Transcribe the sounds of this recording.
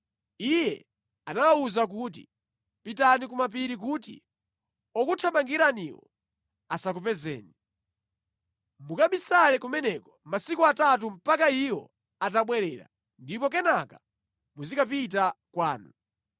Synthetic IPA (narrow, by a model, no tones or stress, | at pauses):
ijɛ̰ | anawawuzak̬ut̬i | pitanik̬umap̬iɾik̬utḭ | ɔkutʰamaŋɡiɾaniwɔ̰ | asak̬upɛzɛ̰ːni | mukaɓisanɛkumɛnɛkɔmasikuatat̬um̩pakaiwɔ̰ | at̬aɓwɛɾɛːɾa̰ | ndipɔk̬ɛnaka | muzikapit̬akwaːnu